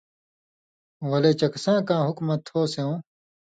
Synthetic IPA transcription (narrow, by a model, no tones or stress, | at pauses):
wɐlet͡ɕɐksãːkãːɦukmɐt̪ʰːoːseõː